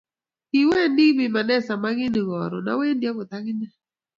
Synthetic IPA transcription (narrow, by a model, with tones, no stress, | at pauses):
i˨wɛ˦˨ndi˦kbɪ˨ma˨nɛ˦sa˨ma˦ɡɪ˦ni˨ŋɔ˨ɾɔ̰˨na̰˦we˦ndja˦kʊ˨t̪a˦ɡɪ˦nɛ˦˨